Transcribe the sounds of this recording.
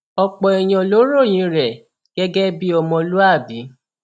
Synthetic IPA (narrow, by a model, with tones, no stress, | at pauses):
ɔ˧k͡pɔ˨ɛ˨j̃ɔ̃˧lo˨˦ɾo˦˨j̃ĩ˨˧˦ɾɛ˨ | ɡ̥ɛ˦ɡɛ˦bi˦ɔ˧mɔ̃˧lu˦a˦˨bi˨˦